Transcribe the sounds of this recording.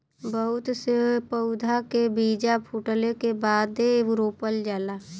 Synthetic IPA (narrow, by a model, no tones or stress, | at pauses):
bəɦʊt̪sepəʊd̪ʱakebiːd͡ʒapʰuʈəlekebaːd̪eɾoːpəld͡ʒaːla